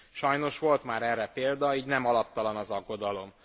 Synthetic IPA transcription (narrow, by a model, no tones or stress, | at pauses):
ʃɒjno̞ʃʋo̞lt̪maːɾɛrːɛpeːld̪ɒiːɟnɛmɒlɒp̚t̪ɒlɒnɒzɒɡːo̞d̪ɒlo̞m